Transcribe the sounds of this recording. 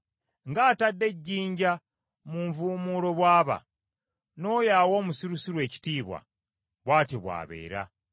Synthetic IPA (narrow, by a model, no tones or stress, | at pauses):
ŋɡaːtadːe̞ɟːiːɲɟa | muɱvuːmuɾo̞βwaːβa̰ | no̞ːjaːwo̞ːmusiɾusiɾwe̞ːci̥tiːβwa̰ | βwaːteβwa̰ːβe̞̰ːɾa̰